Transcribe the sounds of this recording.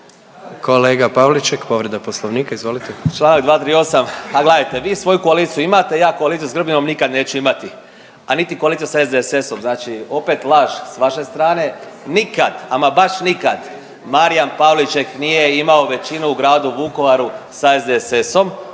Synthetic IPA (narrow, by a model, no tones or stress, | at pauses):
ko̞leːɡapaʋlit͡ʃekpo̞ʋɾed̪aposlˠoʋniːkaizʋo̞lit̪et͡ʃlaːnaɡd̪ʋaːt̪ɾiːo̞samaɡled̪ajt̪e̞ʋiːsʋo̞jukoaliːt̪sijuimat̪e̞jaːkoalit̪ijusɡr̩bɲino̞mnikad̪neːt͡ɕuimat̪i | anit̪ikoalit̪sijusaezd̪ese̞so̞mznaːt͡ʃio̞pe̞t̪laʒsʋaʃe̞st̪ɾaːne̞nikad̪̥amabaʃnikad̪ | maɾijanpaʋlit͡ʃe̞knije̞imao̞ʋe̞t͡ʃinuuɡɾaːd̪uʋuko̞ʋaɾusaezd̪eseso̞m